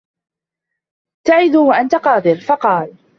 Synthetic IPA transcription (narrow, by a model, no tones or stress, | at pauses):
t̪aʕɪd̪uwaʔant̪aqɑːd̪ɨɾfɑqɑːl